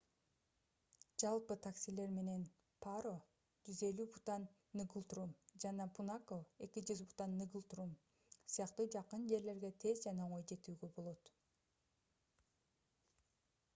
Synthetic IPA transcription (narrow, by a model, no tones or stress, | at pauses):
d͡ʒɑlˠpɯt̪ʰaksʲile̞ɾme̞ne̞n | pʰaɾo̞ | d͡ʒyze̞lybut̪anː | ɨɡulˠt̪rumd͡ʒɑnɑpunakoe̞kid͡ʒyzbut̪anːɨɡulˠt̪ɾum | sijɑqt̪ud͡ʒɑqɯnd͡ʒe̞ɾle̞ɾɡe̞t̪ʰe̞zd͡ʒɑnɑoɴo̞jd͡ʒe̞t̪yːɡøbo̞lˠo̞t̪